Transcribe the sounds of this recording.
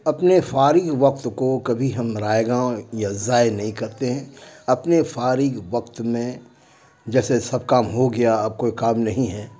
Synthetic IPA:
ɐpnefaːɾɪɡʋɐk̚t̪kokɐbʱiɦɐmɾaːeɡãjazaːenɐɦĩkɐɾt̪eɦɛ̃ɐpnefaːɾiɡʋɐkt̪mẽ | d͡ʒɛːsesɐb̚kaːmɦoɡɪjaɐb̚koːikaːmnɐɦĩɦɛː

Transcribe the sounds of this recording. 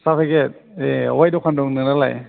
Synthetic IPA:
sapʰaket̪̚ewajduːkʰandoŋnɯŋnala̰j

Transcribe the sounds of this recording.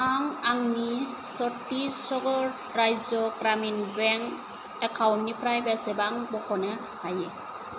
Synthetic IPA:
aŋaŋnisɔtːisɔɡɔɹ | ɾajzɔɡɾaminbɛŋ | ɛkʰawntːipʰɾajbɛsɛbaŋbɔkʰɔnɛ | haje

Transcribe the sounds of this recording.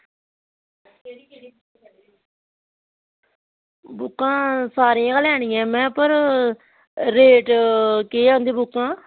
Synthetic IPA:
eikeɽiː | bʊkːãːsaːɾiːãːkəlɛːɽ̃iːɛ̃ːmɛ̃ːpəɾ | ɾeːʈkeːãːnd̪eːbʊkːãː

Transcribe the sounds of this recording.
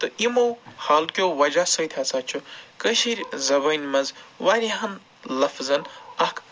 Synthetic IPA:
t̪ɨimɐwhaːlkjowʋɐd͡ʒasɐjt̪ʰʲat͡sʰaːt͡ʃʰukəʃiɾʲzɐbɐnʲmɐzʋaːɾʲiɦɐn | lɐfzɐnɐkʰ

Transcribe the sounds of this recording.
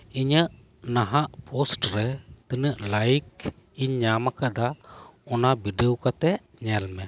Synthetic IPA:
iɲəʔ | naɦaʔpʰɔsʈɾɛt̪ənəʔlajk | iɲːamakad̪aɔnabiɖeowkat̪ɛʔ | ɲɛlmɛ

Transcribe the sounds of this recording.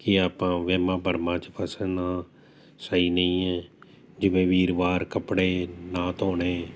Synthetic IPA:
kɪaːpãːʋeːmãːbʱəɾmãːt͡ʃəpʰəsənãː | səiːnəĩːɛː | d͡ʒɪʋẽːʋiːɾʋaːɾkəpɽeːnãːt̪oːɳeː

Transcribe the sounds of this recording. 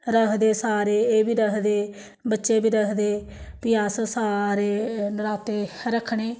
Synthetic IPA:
ɾəɦd̪eːsaːɾeːeːbiːɾəɦd̪eː | bətːʃeːbiːɾəɦd̪eː | pɪjaːssaːɾeːnɾaːt̪eːɾəkʰːɳeː

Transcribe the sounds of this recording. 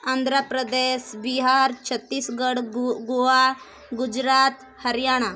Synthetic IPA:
and̪ʱɾapɾəd̪esbiɦaɾt͡ʃʰət̪ːiːsɡəɽɡoa | ɡud͡ʒɾaːt̪ | həɾjaːɽ̃a

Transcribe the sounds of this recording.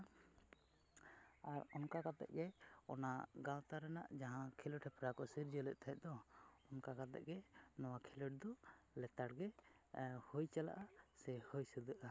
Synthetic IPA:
aɾɔnkakat̪ɛ̰ʔ̚ɡɛɔnaɡãwt̪aɾɛna̰ʔd͡ʒaɦãkʰiləʈhɛpɾakɔsiɾd͡ʒəlɛʔ̚t̪ʰaɦɛʔ̪̚d̪ɔɔnkakat̪ɛ̰ʔ̚ɡɛnɔwakʰiləʈ̚d̪ɔlɛt̪aɽɡɛ | hujt͡ʃala̰ʔasɛhojsəd̪əʔa

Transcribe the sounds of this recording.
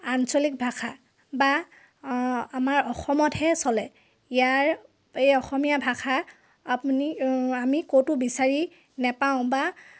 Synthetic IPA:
ansɔlik̚bʱaxʰa | ba | amaɹɔxɔmɔthɛsɔlɛ | ijaɹ | ejɔxɔmijabʱaxʰa | apuniamikotʊbisaɹi | nɛpaʊ̃ba

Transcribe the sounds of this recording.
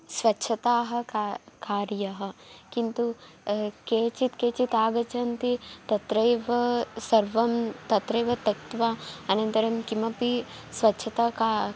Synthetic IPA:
sʋɐtːʃʰɐt̪aːɦɐ̆kakaːɾjɐɦɐ̆kint̪u | keːt͡ʃit̪keːt͡ʃit̪aːɡɐt͡ʃɐnt̪it̪ɐt̪ɾɐjʋɐsɐɾʋɐmt̪ɐt̪ɾɐjʋɐt̪ɐkt̪ʋaːɐnɐnt̪ɐɾɐmkimɐpi | sʋɐtːʃʰɐt̪aːka

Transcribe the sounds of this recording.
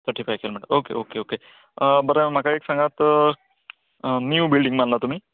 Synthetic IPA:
t̪ʰəʈifajkʰelmɛʈə̰mokḛʔokeoke | bəɾem̤akaeksə̃ŋɡat̪ | njuːbilɖĩŋɡmənlat̪um̤iː

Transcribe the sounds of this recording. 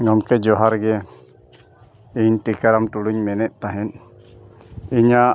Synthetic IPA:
ŋɔmkɛd͡ʒɔɦaɾɡɛ | iɲʈikaɾamʈuɽuɲmɛnɛʔ̪̚t̪aɦɛn | iɲa

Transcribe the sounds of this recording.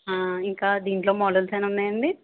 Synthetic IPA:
ɦaːiŋkaːd̪iːɳʈlo̞ːmɔːɖɐlsɐjnunːaːjɐɳɖi

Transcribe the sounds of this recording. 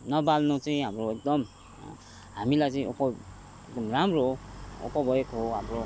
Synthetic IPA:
nʌbalnot͡sʌĩɦamroek̚d̪ʌm | ɦamilajt͡sʌĩʔopɔ | ekd̪ʌmramroo̰pɔbʌjekɦoɦamro

